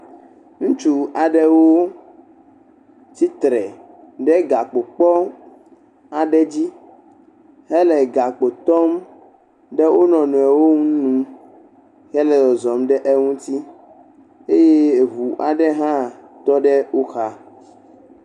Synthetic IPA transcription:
ŋũ˦t͡ʃu˦a˨ɖɛ˦wo˦ | t̪i˦t̪ɾɛ˨ | ɖɛ˦ɡa˨k͡po˨k͡pɔ˦ | a˨ɖɛ˦d͡ʑi˦ | ɦɛ˦lɛ˨ɡa˨k͡po˨t̪ɔ˦m | ɖɛ˦wʔo˦nɔ̃˨nũ˨ɛ˨wo˦ŋũ˦nũ˦ | hɛ˦lɛ˨dɔ˨zɔ˨mɖɛ˦ʔe˦ŋũ˦t̪i˦ | e˦je˦˨ɦu˨ʔa˨ɖɛ˦ɦã˦t̪ɔ˦ɖɛ˦wo˦xa˦

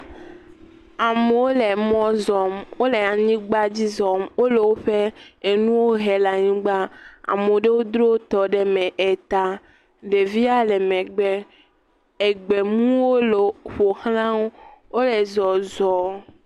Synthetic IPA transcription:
a˨me˨wo˦le˨mɔ̃˦zɔ˨mwo˦le˨a˨ɲĩ˦ɡ͡ba˦d͡ʑi˦zɔ˨mwo˦le˨wo˦ɸe˦e˨nũ˦wo˦ɦe˨la˨ɲĩ˦ɡ͡ba˦a̰˨me˨˦ɖe˦wo˦d̪ɾo˦wo˦t̪ɔ˨ɖe˦mɛ̃˨ʔe˨t̪a˦ | ɖe˨vi˦a˦le˨mẽ˨ɡ͡be˨ | e˨ɡ͡be˨mũ˦wo˦lo˨ɸo˨xlã˦wo˦wo˦le˨zɔ˨zɔ˨

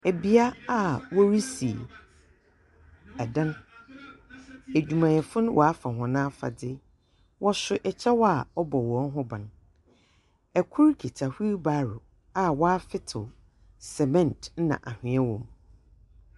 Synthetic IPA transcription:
æ˨bi˨˦a˦a˦wɔ˦ɾi˦si˨ | a˨dã˦n | æ˨d͡ʑᶣu˨mã˨jɛ˨fʊ̃˦ñ˦wʔɔ˨a˦fã˨ɦɔ̃˨nãː˦fa̰˨dɪ˦ | wʔɔ˦sʊ˨ʔɛ˨t͡ɕʰɛ˦wɔ˦a˨ɔ˦bɔ˨wɔ̃˨˦n˦ɦʊ̃˦bã̰˨n | ɛ˨kʰʊ˦ɾkʰi˨tʰa˨hu˦ɾba˨ɾʊ˨ | a˦wɔ˦a˦fɪ˦tʰʊ˨ | sɛ˨mɛ̃˦˨ntn̩˦nã̰˨ʔa˨hɪ̃˨˦ɛ̃˦wɔ̃˨m

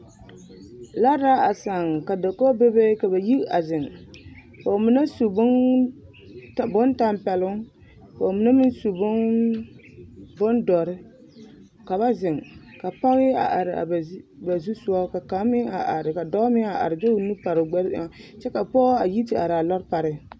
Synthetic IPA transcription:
la˦ɾa˦a˨sa˨ŋka˨da˨ko˦be˦be˦ka˨ba˨ji˦a˨zɪ˨ŋ | po˨mɪ˦na˦su˨bʊ˦n | ta˨bʊ˦n˦ta˦mpɛ˨lʊ˦ŋ | po˨mɪ˦na˦mɪ˦n˦su˨bʊ˦n | bʊ˦ndɔ˨ɾɪ˦ | ka˨βa˦zɪ˨ŋka˨pa˦ŋ˦ɪ˦a̰˨ʔa˨ɾɪ˨a̰˨bba˨zu˦su˦a˦ka˨ka˨˦mɪ˦ŋa˨ʔa˨ɾɪ˨ka˨dɔ˦mɪ˦ŋa˨ʔa̰˨ɾɪ˨d͡ʒo˦u˨nu˦pa˨ɾɪ˨ɡ͡bɛ˦ɾa˨˦t͡ʃɛ˦ka˨pɔ˦a˨ji˦ti˦ʔa̰˨ɾa˨lɔ˦ɾpa˨ɾɪ˦

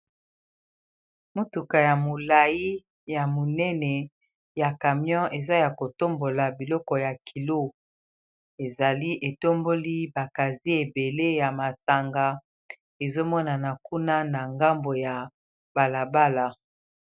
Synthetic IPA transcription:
mu˦tu˨ka˨ja˨mo˨la˨ji˦ | ja˨mo˨nɛ˦nɛ˨ | ja˨ka˨mjɔ̃˦ʔe˨za˦ja˨ko˨to˦mbo˨la˨bi˨lɔ˦kɔ˨ja˨kʰi˨lo˦ | e˨za˨li˦ʔe˨to˦mbo˦li˦ba˨ka˨zi˦e˨be˨le˦ja˨ma˨sa˨ŋɡa˦ | e˨zo˦mɔ˦na˨na˨ku˦na˦na˨ŋɡa˦mbo˨ja˨ | b̥a˨la˨ba˦la˨

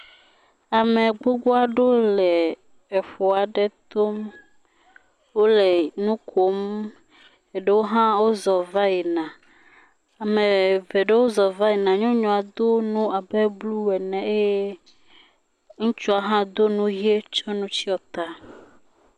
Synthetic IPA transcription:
a˨mẽ˨ɡ͡bo˦ɡ͡bo˦a˦ɖo˦lɛː˨ | fo˨a˨ɖɛ˦t̪o˦m | wo˦lɛ˨nũ˦kʰo˨˦m | e˨ɖe˦wo˦ɦã˦wo˦zɔ˨va˦ɛ˨nã˨ | a˨mẽ˨ve˨ɖe˦wo˦zɔ˨va˦e˨nã˨ɲɔ̃˦ɲɔ̃˨a˨d̪o˦nũ˦a˨be˦blu˦ɛ˨nɛ̃˨e˦je˦ | ŋũ˦t͡ʃu˦a˨ɦã˦d̪o˦nũ˦ɦi˦e˦t͡ʃɔ˦nũ˦t͡ɕi˦ɔ˨t̪a˦

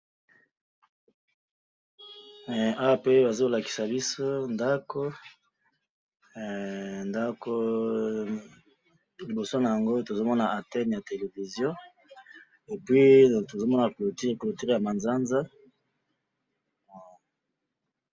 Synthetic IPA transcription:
a˦wa˦pe˦ba˨zo˦la˨ki̥˨sa˨bi˦so˦nda˦ko˦ | nda˦ko˦ | li˨bo˨so˦na˨ja˨ŋɡo˦to˨zo˦mɔ˦na˨ʔa˨tɛ˦nja˨te˨le˨vi˨zjɔ̃˦ | e˨pwi˦to˨zo˦mɔ˦na˨klo˨ti˦klo˨ti˦ʁja˨ma˨nza˦nza˦˨

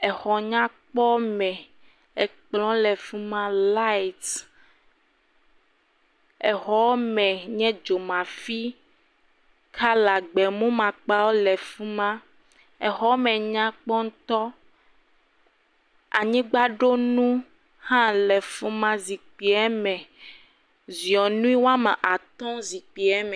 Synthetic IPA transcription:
ɛ˨xɔ˨ɲã˦k͡pɔ˦mɛ̃˨ | ɛ˨k͡plɔ̃˦lɛ˨fu˦mã˦la˦i˨t̪ | ɛ˨xɔ˦mɛ̃˨ɲɛ̃˦d͡ʒo˨mã˨fi˦ | kʰa˦la˨ɡ͡bɛ˨mũ˦mã˨k͡pa˦wo˦lɛ˨fu˦mã˦ | ɛ˨ɦɔ˦mɛ̃˨ɲã˦k͡pɔ˦ŋ˦t̪ɔ˦ | a̰˨ɲĩ˦ɡ͡ba˦ɖo˦nũ˦ | hã˦lɛ˨fu˦mã˦zi˨k͡pi˨ɛ˦mɛ̃˨ | zi˨ɔ˨nũ˦i˦wa˦mã˨ʔa˨t̪ɔ̃˦zi˨k͡pi˨ɛ˦mɛ̃˨

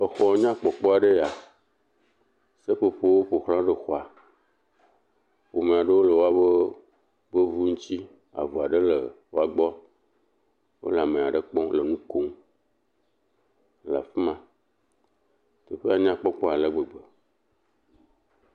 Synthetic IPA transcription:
ə˨xɔ˨˦ɲã˦k͡pɔ˨k͡pɔ˦a˨ɖe˦ja˨ | se˦ɸe˨ɸe˦wo˦ɸo˨xlã˦ɖe˨xɔ˨a˨ | ɸo˨mẽ˨a˨ɖə˦wo˦lə˨wo˦a˦be˦ | bə˦vu˦ŋũ˦t͡ɕi˦ | a̰˨vu˨a˨ɖe˦lə˨wo˦a˨ɡ͡bɔ˦ | wo̰˦la˨mẽ˨a˨ɖə˦k͡pɔ̃˦lə˨nũ˦ko˦ŋ˨ | la˨fi˦mã˨ | t̪e˨ɸe˦a˨ɲã˦k͡pɔ˦k͡pɔ˦a˨lə˦ɡ͡bə˨ɡ͡bə˨

